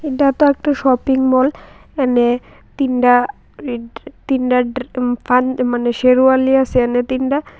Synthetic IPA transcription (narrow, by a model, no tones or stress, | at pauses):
eʈat̪oɛk̚ʈaʃɔpiŋmɔl | ɛne | t̪inʈa | t̪inʈaɖfanmaneʃeɾualiasʰeɛnet̪inʈa